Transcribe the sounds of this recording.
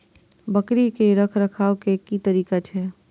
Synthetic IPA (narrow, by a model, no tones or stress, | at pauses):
bɐkɾikeɾɐkʰɾɐkʰaːokekit̪əɾiːkat͡ʃʰɛː